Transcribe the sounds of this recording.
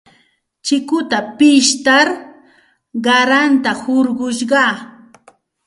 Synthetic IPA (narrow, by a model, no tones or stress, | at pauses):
t͡ʃɪkʊt̪apɪʃt̪aɾ | ɢɑɾant̪ahʊɾɢʊʃɢɑ